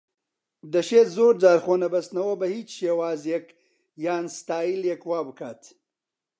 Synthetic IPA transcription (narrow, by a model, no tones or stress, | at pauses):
d̪əʃezoːɾd͡ʒaːɾxoːnɐbɐst̪nɐwobɐhit͡ʃʃewaːzjek | jaːnst̪aːjiljekwaːbəkʰaːt̪